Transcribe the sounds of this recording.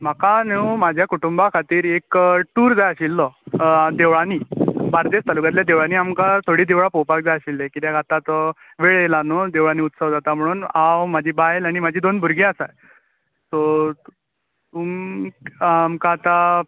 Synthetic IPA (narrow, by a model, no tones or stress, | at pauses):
m̤akanewmad͡ʑʱjakuʈumbakʰat̪iːɾekʈuːɾd͡zajəɕilːɔd̪eʋɭaniːbaɾd̪est̪alukat̪ljad̪eʋɭaniːamkat̪ʰoɽiːd̪eʋɭapowpak̚d͡zajaɕilːekit̪jaɡʱat̪at̪ | ʋeɭelanod̪eʋɭaniːut̪səʋd͡zat̪am̤əɽ̃uːnawmad͡ʑʱiːbajelaɽ̃imad͡ʑʱiːd̪onbʱuɾɡẽasaj | so | t̪um | amkaːt̪a